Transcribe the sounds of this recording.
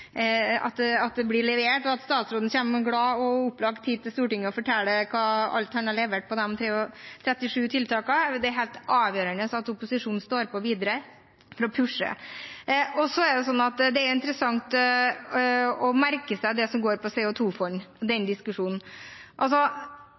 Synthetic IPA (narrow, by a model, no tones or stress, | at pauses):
ɑ̰t̪ɑt̪̚d̪ɛblɪɭɛʋeːʈɔɑt̪st̪ɑːt̪sɾoːd̪nəɕçeːmɡɽɑːɔʊpːlɑɡt̪ʰːiːd̪̚t̪ɪlst̪uːʈɪŋːəɔfɔʈʰɛlːəkʰɑːɑ̰lt̪hɑnɑɭɛʋeːʈ̚pʰɔd̪ɛmt̪ʰɾeːʊt̪ʰɾɛt̪ːɪʂʉːt̪ʰɪlt̪ʰɑːkɑd̪ɛæɾɦeːlt̪ɑːʋjøːɾəɳəsɑt̪ʊpʊsɪʂuːn̩st̪oːɾpɔʋiːd̪əɾə | fɔɾɔpʰʉʂə̰ | ɔsɔæɖɛs̬ɔnːɑt̪d̪ɛæɾʊɪnt̪ɾəsɑŋt̪ | ɔmæɾkəsæɪd̪ɛsɔmɡoːɾpʰɔsɛːʊt̪ʰuːfɔɾd̪ɛnd̪ɪskʉʂuːnn̩ʔɑls̬ɔ